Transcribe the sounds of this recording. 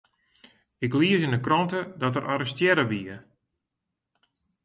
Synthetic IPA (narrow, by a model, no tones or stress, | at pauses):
ɪkliəsindəkrɔntədɔtəɾʔaɾəstjɛɾəʋiə